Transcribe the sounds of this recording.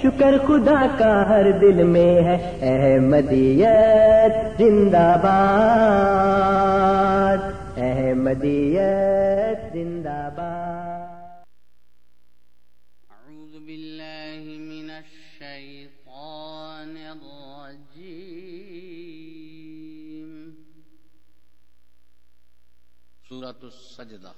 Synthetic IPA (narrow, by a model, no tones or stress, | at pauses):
ʃʊkəɾxʊd̪aːkaɦɐɾd̪ɪlmẽɦɛ | ɛːɦmɐd̪iːjət̪zɪ̃nd̪aːbaː | d̪ɛɦɛmɐd̪iːjɐ | t̪̚zɪ̃nd̪aːbaː | ʔaʕuːðbɪlːaːhɪmɪnaʃːaj | t̪ˤ | ɑː | nɪrː | ɑ | d͡ʒi | m | suː | d͡ʒd̪